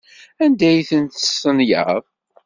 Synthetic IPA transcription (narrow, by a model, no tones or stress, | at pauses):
ænd̪æjθənt̪əsənjə̰v